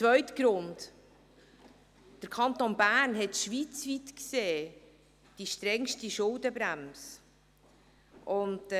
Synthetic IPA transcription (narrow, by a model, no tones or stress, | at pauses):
t͡svœɥtɡ̥ɾʊnt | d̥əɾkʰɑnt̪onbæːrnɦɛtʃʋit͡sʋitkseː | d̥iʃtɾɛŋʃtiʃʊldəbɾæms | ʔʊnt